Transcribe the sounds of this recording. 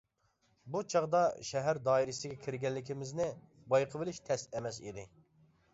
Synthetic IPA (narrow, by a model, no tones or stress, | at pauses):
but͡ʃʰɑʁd̪ɑʃɛɦæɾd̪ɑːiɾɪsɪɡʲɛkʲʰiɾɡʲɛlːɪkʲɪmɪznɪ | bɑjqʰəvɨlɪʃt̪ʰɛst̪ɛmɛsḭd̪ɪ